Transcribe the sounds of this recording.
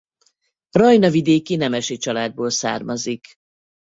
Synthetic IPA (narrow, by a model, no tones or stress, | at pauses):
rɒjnɒvid̪eːkinɛmɛʃit͡ʃɒlaːd̪̚boːlsa̰ːrmɒzik